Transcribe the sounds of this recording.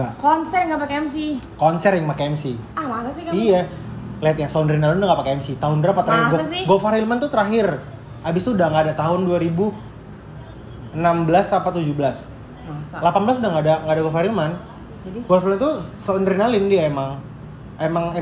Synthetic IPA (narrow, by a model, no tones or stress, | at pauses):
akɔnsɛrŋɡapakeɛms̬ikɔnsɛrjaŋmakeɛmsi | amasasɪija | liat̪̚ɲasaunrinalɪndaŋɡapakeɛmsit̪aɦʊndɾapat̪əɾaɡasɡofaɾilmant̪ut̪əɾaɦɪr | abɪst̪udaŋɡaːdat̪aɦʊnduaɾibu | ənambəlasapat̪ud͡ʒubəlas | masalapanbəlasudaŋɡadaŋɡaːdaɡofaɾilman | d͡ʒadiɡofalint̪usaunrinalɪndiaemaŋ | emaŋe